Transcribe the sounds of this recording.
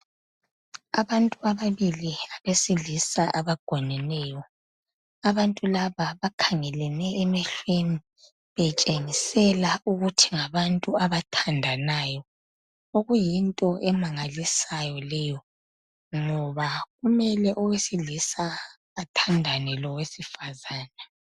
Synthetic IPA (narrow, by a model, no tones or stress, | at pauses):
aβantʼuaβaβiliaβesiɮisaʔaβaɡ̥ʱɔnɛnɛːjɔ | aβantʼulaβaβakʰaŋɛlɛnɛːmɛɬweni | βɛt͡ʃʼeŋisɛlauɣutʰiŋaβantʼuaβatʰandʱanaːjɔ | oɣujintʼɔʔɛmaŋalisajɔlɛjɔ | ŋɔβaɣumɛlɛʔɔwesiɮisaː | tʰandʱanɛlɔwesifazaːna